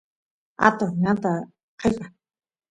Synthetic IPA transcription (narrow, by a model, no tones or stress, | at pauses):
a̰t̪oŋat̪a | qʰepa